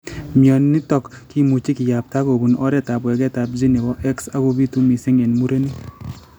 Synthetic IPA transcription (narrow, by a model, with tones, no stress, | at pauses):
mjɔ˨nni˦tɔ˨kki˦mu˨t͡ʃi˦kɪ˨ja˨p̚ta˦ko˨bu˨nɔ˦ɾɛ˦ta˨bwɛ˨kɛ˦ta˨p̚d͡ʒi˦ne˨wɔ˦ʔɛ˦ksa˦ko˦bi˦tu˦mi˨sɪ˦ŋɛ˨nmu˦ɾe˦ni˦